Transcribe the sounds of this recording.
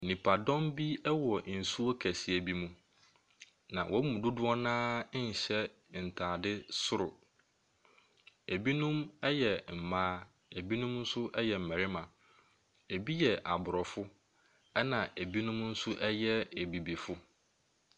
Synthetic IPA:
nĩ˨pʰa˨dɔ̃˦mbi˦ɛ˦wɔ˨n̩˨su˦o˦kʰæ˨si˨æ˨bi˦mũ˦ | nã˨wʔɔ˦mũ˨dʊ˦dʊ˦ɔ˦nãː˦ɲ̩˨ɕɛ˦ | n̩˨tʰaː˨dɪ˦sʊ˦ɾʊ˨ | e˨bi˦nũ˦mɛ˦jɛ˨m̩˨mãː˦ | e˨bi˦nũ˦mn̩˦sʊ˦ʔɛ˦jɛ˨m̩˨mæ̃˨ɾɪ˦mã˨ | e˨bi˦jɛ˨ʔa˨bʊ˨ɾɔ˨fʊ˦ | ɛ˦nã˨ʔe˨bi˦nũ˦mn̩˦sʊ˦ʔɛ˦jɛ˦e˨bi˨bi˨fʊ˦

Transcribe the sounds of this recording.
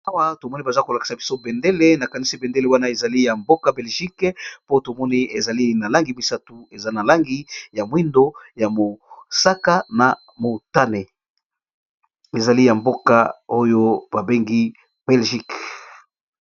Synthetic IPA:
a˦wa˦to˨mɔ˦ni˦ba˨za˦ko˨la˨ki̥˨sa˨bi˦so˦be˨nde˦le˦na˨ka˨ni˦si˦bɛ˨nde˦le˦wa˦na˦e˨za˨li˦ja˨mbo˦ka˦bɛ˨lʒi˦kpo˦to˨mɔ˦ni˦e˨za˨li˦na˨la˦ŋɡi˨mi˨sa˦tu˨e˨za˦na˨la˦ŋɡi˦ja˨mwi˦ndo˦ja˨mo˨sa˦ka˦na˨ | mo˨ta˦ne˨ | e˨za˨li˦ja˨mbo˦ka̰˦o˦jo˦ba˨be˦ŋɡi˦ | b̥ɛ˨lʒi˦k

